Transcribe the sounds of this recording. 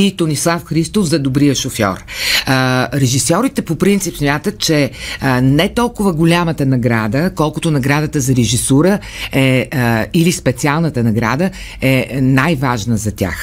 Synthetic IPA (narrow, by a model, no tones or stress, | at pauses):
it̪onislˠafxɾist̪ofzɐd̪obɾijəʃofjɔ̰ɾ | ɾɛʒisɔɾit̪ɛpopɾint̪sipsmʲjat̪ət̪̚t͡ʃɛ | nɛt̪ɔlˠkʊvəɡʊlʲamət̪ənɐɡɾad̪əkɔlˠkʊt̪ʊnɐɡɾad̪ət̪əzɐɾɛʒisuɾə | ɛ | ilispɛt̪sialˠnət̪ənɐɡɾa̰d̪ə | ɛnajvaʒnəzɐt̪ʲa̰x